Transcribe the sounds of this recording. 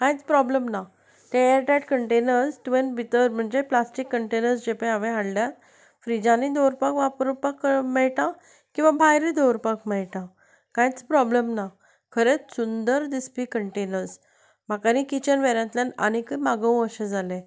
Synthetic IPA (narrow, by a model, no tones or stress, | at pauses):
kãjt͡spɾɔblemna | t̪eeɾʈɛʈkəɳʈenəɾsʈʋenbit̪əɾm̤əɳd͡ʑeplasʈikːəɳʈenəɾsd͡ʑepẽaʋẽɦaɽljat̪ | fɾid͡ʑãnid̪owɾpakʋapɾpakmɛɭʈã | kĩw̃ʋabʱajɾid̪owɾpakmɛɭʈã | kãjt͡spɾɔblemna | kʰəɾet͡ssund̪əɾd̪ispikəɳʈenəɾs | m̤akanikit͡ɕənʋeɾjãt̪ljana̰ɽ̃ikəmaɡəw̃əɕẽd͡zalẽ